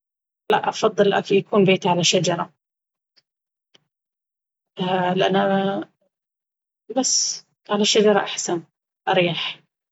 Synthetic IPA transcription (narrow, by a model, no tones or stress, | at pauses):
laʔʔɑfɑðˤːɨlʔa̰kjakuːnbeːt̪ʕalaʃad͡ʒɑɾˤɑ | lɪʔa̰nːa | basː | ʕalaʃːad͡ʒɑɾˤɑʔaħsan | ʔɑɾiːħ